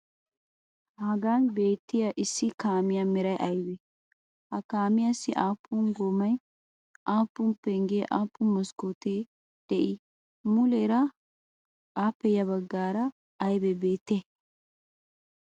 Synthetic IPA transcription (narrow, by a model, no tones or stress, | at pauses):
hɐɡaːnbe̞ːt̪ːɪjɐʔɪsːɪkaːmɪjamɪɾɐjʔɐjbɛ | hɐkaːmɪjasːɪʔaːpʰːʊnɡomɐj | ʔaːpːʊmpɛŋɡeːʔaːpːʊnmɐskot̪eː | d̪̥ɛʔɪ | mʊleːɾɐ | aːpːɛjɐβɐɡːaːɾɐː | jbɛbeːt̪ːe